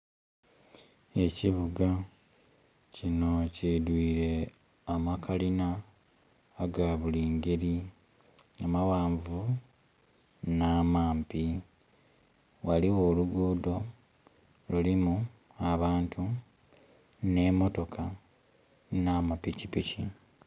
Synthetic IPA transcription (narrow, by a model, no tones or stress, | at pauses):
e̞ciβuɡa | cino̞cidwiːɾe̞ | amakʰalinaː | ɡaβuliːŋɡe̞ɾi | amawaːɱvu | naːmaːmpi | waliwo̞ːluɡuːdo̞ | lulimu | aβaːntʰu | ne̞mo̞to̞kʰa | namapicipici